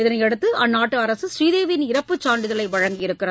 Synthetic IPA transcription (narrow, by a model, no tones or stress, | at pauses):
ɪðɐnɐɪɛɽɯt̪ːɯʔɐnːaːʈːɯɐɾɐsɯsɾiːðeːʋɪnɪɾɐpːɯt͡ʃːaːɳɖɪðɐlɐɪʋɐɻɐŋɡɪjɪɾɯkːɪrɐ